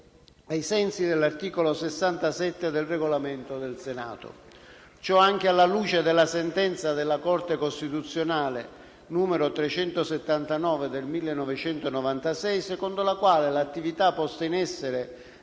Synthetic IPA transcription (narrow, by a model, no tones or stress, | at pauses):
ajsɛnsid̪elːart̪iːkolosesːant̪asɛt̪ːed̪elreɡolament̪od̪elsena̰ːt̪o̰ | t͡ʃɔaŋk̟ealːaluːt͡ʃed̪elːasent̪ɛnt̪sad̪elːakɔrt̪ekost̪it̪ut̪sːjonaːle | nuːmeɾot̪ɾet͡ʃɛnt̪oset̪ːant̪anɔːved̪elmilːenːɔvet͡ʃɛnt̪onɔvant̪asɛjsekɔnd̪olakwaːlelat̪ːivit̪apːɔst̪ainɛsːeɾe